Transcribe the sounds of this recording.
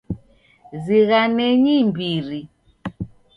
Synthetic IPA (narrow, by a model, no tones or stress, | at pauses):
ziɣanɛɲimbiɾi